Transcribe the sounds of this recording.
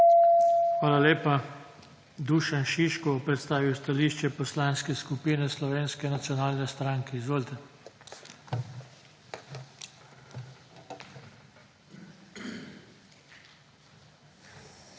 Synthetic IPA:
xʋaːlaleːpa | d̪uːʃanʃiʃkɔɔpɾɛt̪st̪aːʋiwst̪aliːʃt͡ʃɛpɔslaːnskɛskupiːnɛslɔʋeːnskɛnat̪sjɔnaːlnɛst̪ɾaŋkɛizʋoːlt̪ɛ

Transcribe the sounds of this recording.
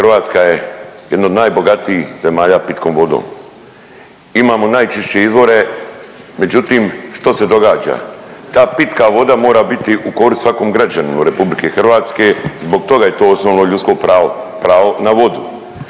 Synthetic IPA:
xrʋaːt̪skajejed̪no̞d̪naːjbo̞ɡat̪iixze̞maːʎaːpit̪ko̞ːmʋo̞d̪o̰ːm | imaːmo̞naːjt͡ʃiʃt͡ɕeizʋo̞ɾe̞ | me̞d͡ʒut̪imʃt̪o̞se̞d̪o̞ɡaːd͡ʒa̰t̪aːpit̪kaʋo̞d̪amo̞ːɾabit̪iʔuko̞ɾissʋako̞ːmɡɾad͡ʑanumuɾe̞publikexr̩ʋaːt̪ske̞zbo̞ɡ̚t̪o̞ɡaje̞t̪o̞ːosnoːʋno̞ʎut̪sko̞pɾaopɾaːʋonaʋo̞d̪u

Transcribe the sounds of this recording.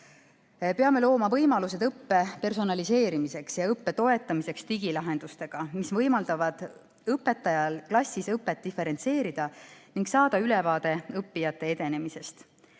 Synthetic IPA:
pe̞ɑme̞lo̞ːmɑvɤjmɑluse̞d̪ɤpːe̞pe̞rso̞nɑlise̞ːɾimise̞ksjɑɤpːe̞t̪o̞e̞t̪ˑːɑmise̞kst̪iɡilɑɦe̞nd̪̥ust̪e̞ɡ̥ɑmisvɤjmɑld̪̥ɑvɑd̪̥ | ɤpːˑe̞t̪ːˑɑjɑlklɑsʲisɤpːˑe̞t̪̚d̪ife̞ɾe̞nt̪se̞ːɾid̪̥ɑniŋɡ̥sɑːd̪̥ɑylevɑːd̪̥e̞ɤpːijɑt̪ːˑe̞ed̪e̞ne̞mise̞st̪

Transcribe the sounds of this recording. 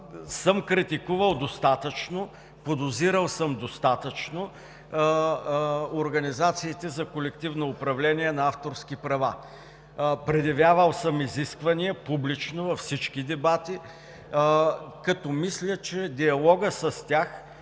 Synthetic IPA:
səmkɾit̪ikuvəlˠd̪ost̪at̪ət͡ʃno | pod̪oziɾəlˠsəmd̪ost̪at̪ət͡ʃno | oɾɡɐnizat̪siːt̪ɛzɐkolɛk̚t̪ivnoʊpɾɐvlɛniɛnɐaft̪oɾskʲipɾɐva | pɾɛd̪jɐvʲjavəlˠsəmiziskvɐniɛpublit͡ʃnovɐfsit͡ʃkid̪ɛbat̪i | kɐt̪ɔmislʲət͡ʃɛd̪iɐlˠɔɡəsɐst̪ʲjax

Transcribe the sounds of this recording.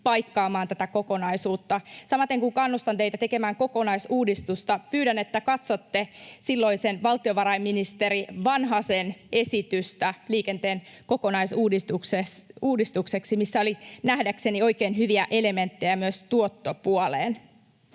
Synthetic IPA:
pɑjkːɑːmɑːnt̪æt̪æko̞ko̞nɑisuːt̪ːɑsɑmɑt̪eŋkuŋkɑnːust̪ɑnt̪eit̪æt̪e̞ke̞mæːŋko̞konɑisuːdist̪ust̪ɑpyːdæne̞t̪ːækɑt̪sot̪ːesilːoisenʋɑlt̪ioʋɑɾɑimminist̪eɾiʋɑnɦɑsenʔe̞sit̪yst̪æliːkent̪eːn | ko̞konɑisuːdist̪ukseuːdist̪ukse̞ksimisːæo̞linæhdækse̞nio̞ikeːnɦyʋiæʔe̞le̞ment̪ːejæmyøst̪uot̪ːopuolḛːn

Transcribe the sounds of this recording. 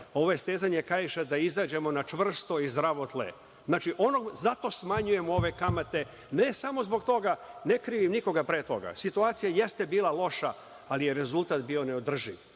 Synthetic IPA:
o̞ʋojest̪eːzaɲekajiʃad̪aizaːd͡ʑe̞mo̞nat͡ʃʋr̩st̪o̞izd̪ɾaʋo̞t̪lḛ | znaːt͡ʃiʔo̞nozat̪o̞smaɲuje̞muo̞ʋe̞kamat̪e̞ | nesamo̞zbo̞ɡt̪o̞ɡane̞kɾiːʋimniko̞ɡapɾet̪o̞ɡa̰sit̪uaːt̪sijaje̞st̪e̞biːlˠalˠo̞ʃa | alije̞ɾe̞zulˠt̪aːt̪biːo̞ne̞o̞d̪r̩ʒiʋ

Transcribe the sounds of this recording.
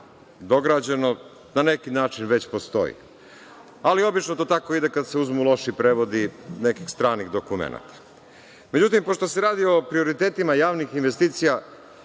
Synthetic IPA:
d̪o̞ɡɾad͡ʑe̞no̞ | nanekinaːt͡ʃinʋe̞t͡ɕpo̞st̪o̞̰jḭ | alio̞bit͡ʃnot̪oːt̪ako̞id̪ekad̪seuzmulˠo̞ʃipɾeʋo̞d̪inekikst̪ɾaːniɣd̪o̞kumḛna̰t̪ḁ | me̞d͡ʑut̪impo̞ʃt̪o̞seɾaːd̪io̞pɾio̞ɾit̪eːt̪imajaːʋnixinʋest̪iːt̪sija

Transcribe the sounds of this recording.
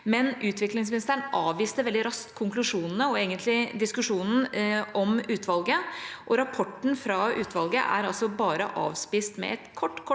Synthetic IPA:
mɛnʔʉːt̪ʰʋɪklɪŋsmɪnɪst̪əɳʔɑːʋʋiːst̪əʋɛld̪ɪɾɑsk̪kʰːʊŋklʉʂuːnənəɔeːɡənt̪ʰlɪd̪ɪskʉʂuːnn̩ɔmʉːt̪ʰʋɑlɡəʔɔɾɑpʰɔʈːn̩fɾɑʉːt̪ʰʋɑlɡə̰ʔæ̰ɾɑlsɔbɑːɾə̰ʔɑ̰ːʋspist̪mɛ̰ɛt̪kʰɔʈːkʰɔ

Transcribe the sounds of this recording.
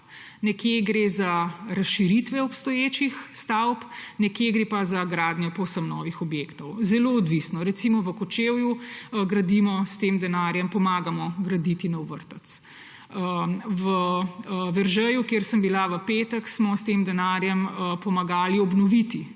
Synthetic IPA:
nɛkjeɡɾezaɾɐsʃiɾit̪ʋɛɔpst̪ɔjeːt͡ʃixst̪awpnɛkjeɡɾeːpazaɡɾaːd̪njɔpɔwsəmnɔ̰ːʋixɔbjekt̪ɔwzɛloɔd̪ʋisnɔɾɛt̪simɔʋəkɔt͡ʃewjuɡɾɐd̪imɔst̪emd̪ɛnaːɾjɛmpɔmaːɡamɔɡɾɐd̪it̪inɐwʋə̰ɾt̪ət̪s | ʋə | ʋɛɾʒɛjukjeːɾsəmbilaʋəpeːt̪əksmɔst̪eːmd̪ɛnaːɾjɛməpɔmaɡaːliɔbnɔʋit̪i

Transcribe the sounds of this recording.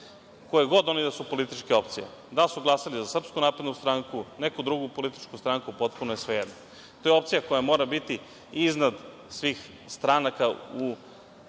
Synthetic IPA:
kojeɡo̞d̪o̞nid̪asupo̞lit̪it͡ʃkeo̞pt̪sijḛd̪asuɡlˠasalizasr̩pskunaːpɾed̪nust̪ɾaŋkunekud̪ɾuɡupo̞lit̪i̥t͡ʃkust̪ɾaŋkupo̞t̪̚punojesʋejed̪no | t̪o̞jeo̞p̚t̪sijako̞jamo̞ːɾabit̪i | iznad̪ | sʋiːx | st̪ɾanakau

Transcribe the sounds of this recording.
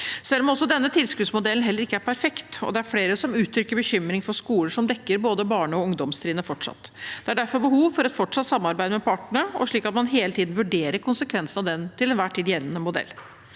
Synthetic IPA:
sɛlːɔmɔsːɔd̪ɛnːət̪ʰɪlskʉːd̪smʊd̪ɛlən̩ɦɛlːəɾɪkːəæɾpʰæɾfɛkt̪ɔ̰d̪ɛæɾfɽeːɾəsɔmʉːt̪ʰɾʏkːəɾbəçʏmɾɪŋfɔɾʂkuːləʂɔmd̪ɛkːəɾboːd̪əbɑːɳəɔʊŋd̪ɔmst̪ʰɾiːd̪ənəfɔʈʂɑ̰t̪ːd̪̥ɛæɖæɾfɔɾbəhuːʋfɔɾɛt̪fɔʈʂɑt̪sɑmːɑɾbæɪd̪əmɛpʰɑːʈəɳəɔ̰ʂɭiːkɑt̪mɑnɦeːlət̪ʰiːd̪n̩ʋʉɖeːɾəɾkʰʊnsəkʰʋɛnsnɑʋd̪ɛnt̪ɪlɛnʋæːʈʰiːd̪jɛlːənəmʊd̪ɛ̰lː

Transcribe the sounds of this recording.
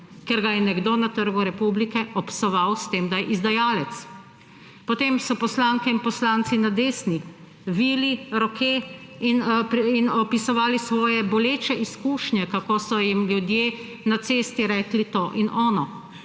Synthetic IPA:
keɾɡajɛnɛɡd̪onat̪əɾɡuɾɛpublikɛʔɔpsɔʋawst̪emd̪ajɛʔizd̪ajaːlɛt̪s | pɔt̪eːmsɔpɔslaːŋkɛinpɔslant̪sinad̪eːsni | ʋiːliɾɔkeinpinɔpisɔʋaːlisʋɔːjɛbɔleːt͡ʃɛʔiskuːʃnɲʲɛkakoːsɔjimljud̪jeː | nat̪seːst̪iɾɛːklit̪oːʔinʔɔːnɔ

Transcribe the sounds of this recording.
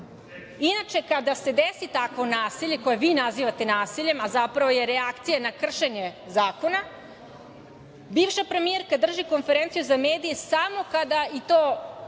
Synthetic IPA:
inat͡ʃe̞kad̪ase̞d̪esit̪akʋo̞naːsiʎe̞ko̞jeʋinaziːʋat̪enaːsiʎe̞mazapɾaʋo̞jeɾeakt̪sijanakr̩ʃeɲe | zaːko̞na | biːʋʃapɾe̞mijeɾkad̪r̩ʒiko̞nfeɾent̪sijuzameːd̪ijesamo̞kad̪ait̪oː

